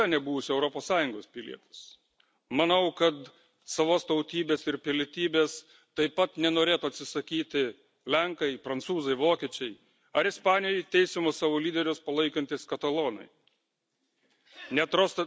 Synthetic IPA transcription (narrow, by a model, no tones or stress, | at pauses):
ɐnʲɛbuːʋʊsʲɛʊɾɔpoːssɑːjʊŋɡoːspʲɪlʲḭɛt̪ɐ̥s | mɐnɐʊkɐt̪ | sɐʋoːst̪ɐʊt̪ʲiːbʲeːsɪɾpʲɪlʲɪt̪ʲiːbʲeːs | t̪ɐɪpːɐt̪nʲɛnoːɾʲeːt̪uɐt̪ʲsʲɪsɐkʲiːt̪ʲɪ | lʲɛŋkɐɪpɾɐnt̪suːzɐɪʋoːkʲiːt͡ʃʲɛɪ | ɐɾɪspɑːnʲɪjɛɪt̪ʲɛɪsʲɪmosɑːʋoːlʲiːd̪ʲɛɾʲʊspɐlˠɐɪkɐnʲt̪ʲiskɐt̪ɐlˠoːnɐ̰ɪ | nʲɛt̪ɾoːst̪ɐ